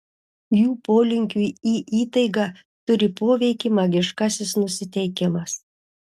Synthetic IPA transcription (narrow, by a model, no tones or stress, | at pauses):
juːpoːlʲɪŋʲkʲuiiːʔiːt̪ɐɪɡɑ | t̪ʊɾʲɪpoːʋʲɛɪkʲimɐɡʲɪʃkɑsʲɪsnʊsʲɪt̪ʲɛɪkʲɪmɐs